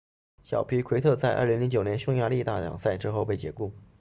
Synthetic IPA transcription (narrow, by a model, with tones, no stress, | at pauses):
ɕjɑ̰˨˩ʊpʰi˧˥kʰwe˧˥ɪt̪ʰɤ˥˧t͡sa˥˧ɪʔɐ̰˥˩li˧˥ŋli˧˥ŋt͡ɕjo˨˩ʊnɛ˧˥nʂʊ˥˧ŋja˥˧˥li˥˧t̪a̰˥˩ljɑ̰˨˩ŋsa˥˩ɪʈ͡ʂɻ̩˥xo˥˧ʊpe˥˩ɪt͡ɕjɛ̰˧˥ku˥˩